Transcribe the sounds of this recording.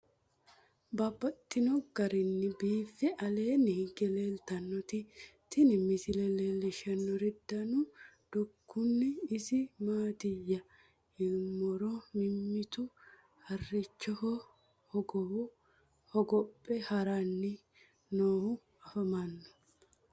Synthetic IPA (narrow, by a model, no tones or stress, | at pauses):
baːbːɐt̪ʼːɪnɔɡɐɾɪnːɪbiːfɛʔɐle̞ːnɪɡɛleːlt̪ɐnːɔt̪ɪt̪ːɪnɪmɪsɪlɛlelːɪʃɐnːɔɾɪd̪ːɐnʊd̪̥ʊkːʊnːɪːsɪmaːt̪ɪjːɐ | ɪmːɔɾɔmɪmːɪt̪ʊ | hɐrːɪt͡ʃːɔh | hɔɡɔwʊ | hɔɡɔpʼːɛhɐɾɐnːɪ | noːhʊ | ɐfɐmɐnːɔ̥